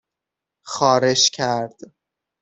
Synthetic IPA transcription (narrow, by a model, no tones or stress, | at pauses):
xɒːɾe̞ʃcʰæɾd̪̥